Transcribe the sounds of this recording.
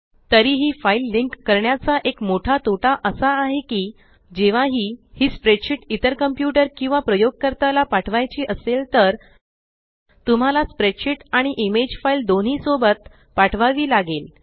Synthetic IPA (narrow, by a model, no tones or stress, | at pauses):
t̪əɾiːɦiːfailːiŋkːəɾɳjat͡saʔekmoʈʰat̪oʈʰaʔəsaːɦekiː | d͡ʑeʋaɦiːhiːspɾeʈɕiʈit̪əɾkəmpjuʈəɾkĩw̃ʋapɾəjoɡ̚kəɾt̪alapaʈʰʋajt͡ɕiːʔəselt̪əɾ | t̪um̤alaspɾeʈɕiʈaɽ̃iʔimed͡ʑfaild̪onɦiːsobət̪̚ | paʈʰʋaʋiːlaɡel